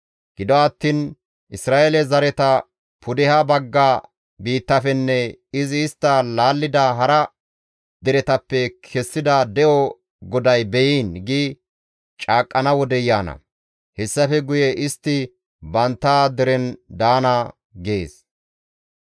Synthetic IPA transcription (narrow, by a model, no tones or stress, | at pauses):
ɡ̥ɪd̪ɔɐt̪ːiːn | ʔɪsɾaːʔelɛzɐɾɛt̪ɐ | pʰʊd̪ɛhɐbɐɡːaː | biːt̪ːɐfɛnːɛɪzɪːst̪ːɐlaːlːɪd̪ɐɦɐɾɐ | d̪ɛɾɛt̪ɐpːɛkʰɛsːɪd̪ɐd̪ɛʔɔ | ɡɔd̪ɐjbɛjiːnɡi | t͡ʃʼaːkʼːɐnɐwɔd̪ɛjaːnɐ̰ | hɛsːɐfɛɡʊjɛʔɪst̪ːɪ | bɐnt̪ːaːd̪ɛɾɛnd̪aːnɐ | ɡeːs